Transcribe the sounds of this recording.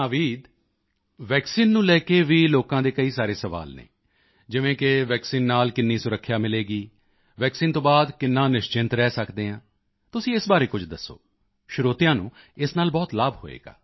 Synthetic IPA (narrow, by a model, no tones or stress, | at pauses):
aːʋiːd̪ | ʋɛːksiːnːũːlɛːkeːʋiːloːkãːd̪eːkəiːsaːɾeːsəʋa̰ːlnḛ̃ː | d͡ʒɪʋẽːkɪʋɛːksiːnːaːlkɪnːĩːsʊɾəkʰːjaːmɪleːɡiː | ʋɛːksiːnt̪õːbaːd̪kɪnːãːnɪʃt͡ʃɪnt̪ɾɛːsəkd̪eːɦãː | t̪ʊsĩːɪsbaːɾeːkʊd͡ʒd̪əsːo̰ː | ʃʊɾoːt̪ɪjãːnũː | ɪsnaːlbɔːt̪laːbho̰ːḛːɡa̰ː